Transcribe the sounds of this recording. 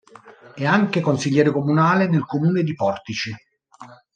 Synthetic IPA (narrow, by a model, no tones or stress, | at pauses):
ɛaŋkekonsiʎːɛːɾekomunaːlenelkomuːned̪ipɔrt̪it͡ʃi